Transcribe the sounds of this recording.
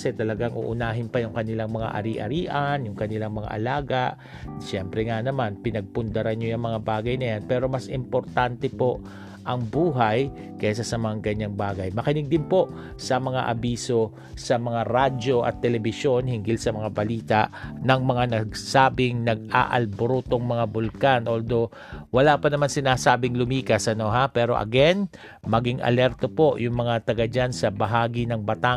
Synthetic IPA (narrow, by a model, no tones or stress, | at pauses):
sɛt̪ɐlɐɡaŋʔṵʔʊnaːɦɪnpɐjʊŋkɐnɪlaŋmɐŋa̰ʔɐ̰ɾiʔɐ̰ɾiːʔanjʊŋkɐnɪlaŋmɐŋa̰ʔɐ̰laːɡaʔ | ʃɛmpɾɛŋanɐmanpɪnɐɡ̚pʊnd̪ɐɾanɲojɐŋmɐŋabaːɡɐjnɐjanpɛːɾo̞mɐsʔɪmpo̞ɾt̪ant̪ɛpo̞ʔ | ʔɐŋbuːɦaj | kɛs̬asɐmɐŋaŋkɐɲːaŋbaːɡɐjmɐkɪnɪɡ̚d̪ɪnpo̞ʔ | sɐmɐŋa̰ʔɐbiːso̞ | sɐmɐŋaɾado̞ʔɐ̰t̪ːɛlɛbɪʃjo̞nhɪŋɡɪlsɐmɐŋabɐliːt̪aʔnɐŋmɐŋanɐɡ̚saːbɪŋnɐɡ̚a̰ʔɐ̰lboɾut̪o̞ŋmɐŋabʊlkanʔold̪o̞ | wɐlaːpɐnɐmansɪnaːsaːbɪŋlʊmiːkɐsʔɐno̞ɦapɛːɾo̞ʔɐ̰ɡɛn | mɐɡɪŋʔɐ̰lɛɾt̪o̞po̞ʔjʊŋmɐŋat̪ɐɡad͡ʒansɐbɐɦaːɡɪnɐŋbɐt̪a